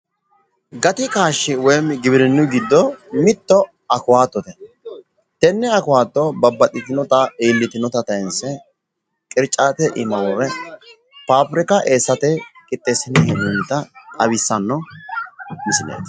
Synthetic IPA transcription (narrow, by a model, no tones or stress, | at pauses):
ɡɐt̪ɪkaːʃːɪwɔjmɡɪbɪɾɪnːʊɡɪd̪ːɔmɪt̪ːɔ | ɐkʊwaːt̪ːɔt̪ɛ | t̪ɛnːɛɐkʊwaːt̪ːɔbɐbːɐt̪ʼːɪt̪ɪnɔt̪ɐeːlːɪt̪ɪnɔt̪ɐt̪ɐjɛnsɛ | kʼɪɾt͡ʃʼːaːt̪ɛʔɪmɐwɔɾɛ | paːpɾɪkɐʔeːsːɐt̪ɛkʼɪt̪ʼːesɪnɛhɛnunɪt̪ɐt̪ʼɐβɪsːɐnːɔ | mɪsɪnḛːt̪